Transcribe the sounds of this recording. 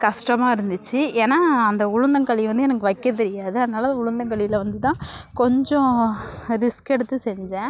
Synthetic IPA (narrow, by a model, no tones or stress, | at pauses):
kɐʂʈɐmaːɪɾɯnd̪ɯt͡ʃːɯeːnaːɐnd̪ɐʊɻʊnd̪ɐŋkɐɭiʋɐnd̪ɯɛnɐkːɐʋɐɪkːɐt̪̬ɛɾɪjaːðɯɐðɯnaːlɐnd̪ɐʊɻʊnd̪ɐŋkɐɭɪjɪlʋɐnd̪ɯt̪ãːkɔɲd͡ʒɔ̃ | ɾɪskɛɽɯt̪ːɯsɛɲd͡ʒɛ̃ː